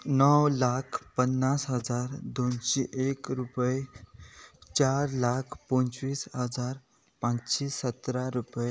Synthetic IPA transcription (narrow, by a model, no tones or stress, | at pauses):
nəwlakʰpənːasɦəd͡zaɾd̪onɕiʔekɾupəj | t͡ɕaɾlakʰpõnt͡sʋiːsɦəd͡zaɾ | pãt͡sɕisət̪ɾaɾupəj